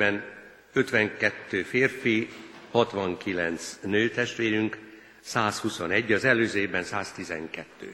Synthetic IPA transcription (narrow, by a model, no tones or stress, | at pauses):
ɛn | øt̪ʋɛŋkɛt̪ːøːfeːrfihɒt̪ʋɒŋkilɛ̰nt̪snøːt̪ɛʃt̪ʋeːɾyŋk | saːshusonɛɟːɒzɛløːzeːbɛnsaːst̪izɛ̰ŋkɛt̪ːø̰ː